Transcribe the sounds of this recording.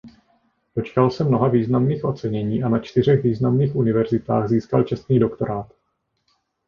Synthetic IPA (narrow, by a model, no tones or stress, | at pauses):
d̥o̞t͡ʃkalsɛmno̞ɦaviːznamniːxʔo̞t̪t͡sɛɲɛɲiːʔanat͡ʃt̪ɪr̝ɛɣviːznamniːxʔunɪvɛɾzɪt̪aːɣziːskalt͡ʃɛst̪niːdo̞kt̪oɾaːt̪